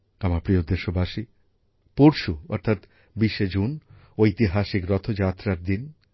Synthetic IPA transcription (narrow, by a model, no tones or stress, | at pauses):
amapɾiod̪ːeʃobaʃi | poɾʃuɔ̰ɾt̪ʰat̪ | biʃːed͡ʑun | oit̪iɦaʃikɾɔt̪ʰod͡ʑat̪ːɾaɾd̪in